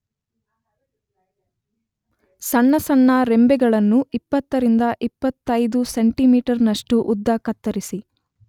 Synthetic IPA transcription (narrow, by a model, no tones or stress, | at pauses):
sɐnːɐsɐnːɐɾembɛɡɐɭɐnːuipːɐt̪ːɐɾind̪ɐʔipːɐt̪ːɐjd̪useɳʈimiːʈɐɾnɐʂʈuʔud̪ːɐːkɐt̪ːɐɾisi